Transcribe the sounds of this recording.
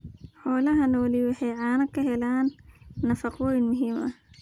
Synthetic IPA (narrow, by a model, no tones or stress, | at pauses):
ħɔːlɐɦɐnɔwlɪwɑħɑjʕɑːnɐkʰɐɦɛlaːnːɐfɐqɔjnmʊɦiːmɐ